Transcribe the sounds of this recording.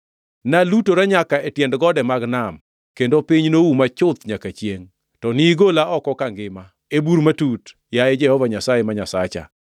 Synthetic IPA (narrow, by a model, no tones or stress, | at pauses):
nalutoɾaɲakaetjɛndɡɔdɛmaɡnam | kendopiɲnowumat͡ʃʊt̪ɲakat͡ʃjeŋ | tɔniɡolaɔkɔkaŋɡɪma | ebuɾmatut | jaed͡ʒɛhɔvaɲasajemaɲasat͡ʃa̰